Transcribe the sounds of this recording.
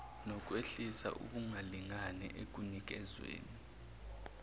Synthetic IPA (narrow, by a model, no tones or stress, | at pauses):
nɔk̬ʼweɬisa̰ʔṵɓuŋaliŋanɛ̰ʔek̬unik̬ɛzwḛːni